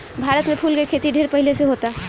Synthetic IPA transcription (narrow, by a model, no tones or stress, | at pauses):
bʱaɾət̪mepʰulkekʰet̪iɖʱeɾpəɦileseɦot̪a